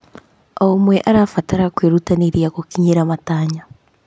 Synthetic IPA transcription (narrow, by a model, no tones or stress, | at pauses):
ɔmwɛʔaɾaːfataɾakweɾutaneɾjakokiɲeɾamataːɲa